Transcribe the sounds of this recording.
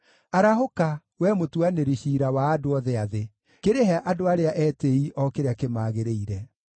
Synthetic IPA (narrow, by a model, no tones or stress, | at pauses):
aɾaɦoka | wɛmotuaneɾiɕiːɾawaːdoɔðɛaðe | keɾeɦɛʔadoaɾeaʔɛteiʔɔkeɾeakemaːɣeɾeiɾɛ